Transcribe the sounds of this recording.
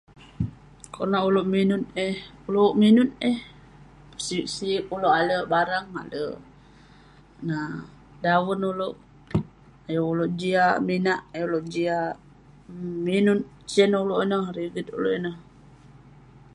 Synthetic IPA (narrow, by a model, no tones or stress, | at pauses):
koʔnaʔuloʔminut̪̚ehuloʔminʊt̪̚eh | pə̥siʔsikuloʔaləbaɾaŋa̰lə̰ | na | dawənuloʔ | ajouloʔd͡ʒiaminaʔajoloʔd͡ʒia | minʊt̪̚ | t͡ʃɛnuloʔinəhɾiɡit̪̚ṵlo̰ʔinəh